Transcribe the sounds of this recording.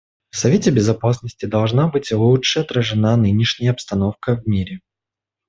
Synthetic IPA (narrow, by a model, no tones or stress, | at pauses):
fsɐvʲetʲɪbʲɪzɐpasnəsʲtʲɪd̪ɐlˠʐnabɨtʲlˠutʂɨɐt̪ɾəʐɨnanɨnʲɪʂnʲɪjəɐpst̪ɐno̞fkəvmʲiɾʲɪ